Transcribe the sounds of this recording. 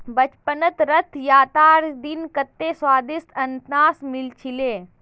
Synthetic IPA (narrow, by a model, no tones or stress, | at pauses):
bɐt͡ʃpənət̪ɾɐt̪ʰjaːt̪aːɾd̪inkɐt̪ːeswaːd̪ɪst̪ʰɐnt̪naːsmɪlt͡ʃʰileː